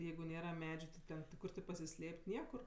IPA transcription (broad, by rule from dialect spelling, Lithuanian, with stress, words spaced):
ˈjɛɪɡʊ ˈnʲeːrɐ ˈmʲæːd͡ʒʲʊ tʲɪ ˈtʲɛn ˈkʊr tʲɪ pɐsʲɪˈsʲlʲeːpʲtʲ ˈnʲiɛkʊr